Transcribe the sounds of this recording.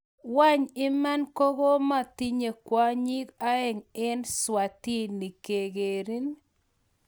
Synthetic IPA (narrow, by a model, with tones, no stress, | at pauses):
wa˦ɲɪ˦ma˦nko˦ɡo˦ma˦t̪i˦ɲe˨kwa˦ɲi˦ka˦ɛ˨ŋɪ˦nswa˨ti˦ni˨ke˨ɡe˨ɾi˦n